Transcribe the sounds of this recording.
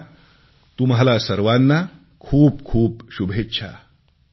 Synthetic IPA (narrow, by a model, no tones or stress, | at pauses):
t̪umɦalasəɾʋanːa | kʰuːp̚kʰuːp̚ɕubʱetːɕʰa̰